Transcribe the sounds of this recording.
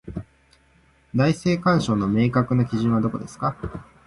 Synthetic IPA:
d̪aise̞ːkãɰ̃ɕo̞ːno̞me̞ːkakɯ̟nakʲiʑɨ̃ɰ̃βad̪o̞ko̞d̪e̞sɨ̥ka

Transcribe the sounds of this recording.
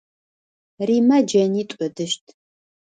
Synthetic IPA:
riːmɐd͡ʒɐniːtʷʼʊdɨʃtʼʰ

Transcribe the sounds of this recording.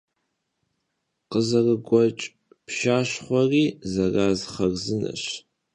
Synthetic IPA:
qəzɐrɨɡʷɔt͡ʃʼ | pʃaːʃχʷɔriːzɐraːzχɐrzɨnɐ̰ɕ

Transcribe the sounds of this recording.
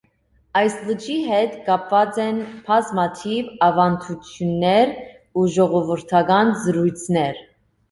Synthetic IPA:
ɑjslət͡ʃʰiɦɛt̪kɑpvɑt͡sɛnpʰɑzmɑt̪ʰivɑvɑnt̪ʰut͡sʰjunːɛɾ | uʒɔʁɔvəɾt̪ʰɑɡɑnzəɾujt͡sʰnɛɾ

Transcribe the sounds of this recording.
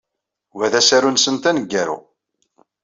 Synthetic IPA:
wæðæsæɾunsənt̪ænəɡːæɾṵ

